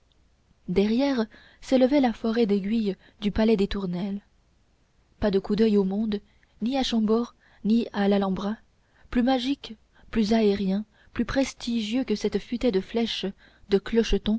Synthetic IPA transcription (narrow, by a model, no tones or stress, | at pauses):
d̪ɛʁjɛʁ | seləvɛlafɔʁɛd̪eɡʲɥij | d̪ypalɛd̪et̪uʁnɛl | pad̪əkud̪œjomɔ̃d̪ | niaʃɑ̃bɔʁ | nialalɑ̃bʁa | plymaʒik | plyzaɛʁjɛ̃ | plypχɛst̪ʰiʒjøkəsɛt̪fyt̪ɛd̪əflɛʃ | d̪əklɔʃət̪ɔ̃